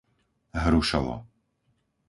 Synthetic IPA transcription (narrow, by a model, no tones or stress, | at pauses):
ɦɾuʃa̰lɔ̰